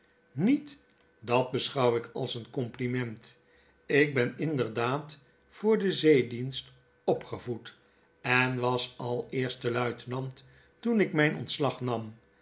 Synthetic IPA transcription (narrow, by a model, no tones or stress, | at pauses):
nit | dɑd̚bəsχɑwɪkʰɑ̰lˠsənkɔmplimɛnt | ɪɡ̚bɛnɪndəɹdaːt | fʊːɹdəzejdinst | ɔpχəvut | ɛnʋɑsɑlˠɪːɹstəlœɥtənɑnt | tunɪkmɛjnʔɔ̰ntslɑχnɑm